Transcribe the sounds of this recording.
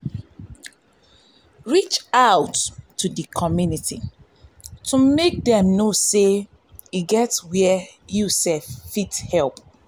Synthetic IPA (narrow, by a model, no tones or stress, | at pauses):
ɹit͡ʃaʊtːudikʰɔmjuniti | tʰumek̚dɛ̃mnose | iɡɛtwɛjusɛffithɛlp